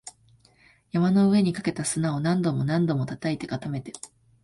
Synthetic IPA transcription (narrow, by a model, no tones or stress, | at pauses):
jamano̞ɯ̟e̞ɲ̟ikake̞t̪asɨnao̞nãnd̪o̞mo̞nãnd̪o̞mo̞t̪at̪ait̪e̞ɡat̪ame̞t̪e̞